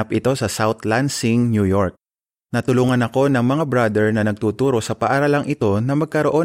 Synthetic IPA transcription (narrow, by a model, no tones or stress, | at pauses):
apʔɪt̪o̞sɐsawt̪lansɪŋnjujoɹk̚ | nɐt̪ʊluːŋɐnɐko̞nɐŋmɐŋabɾad̪ɛɹnɐnɐɡ̚t̪uːt̪uːɾo̞sɐpɐʔaɾalɐŋʔɪt̪o̞nɐmɐɡ̚kɐɾo̞ʔo̞